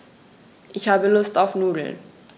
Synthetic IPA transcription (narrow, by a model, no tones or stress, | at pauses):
ʔɪçhaːbəlʊstaʊfnuːdl̩n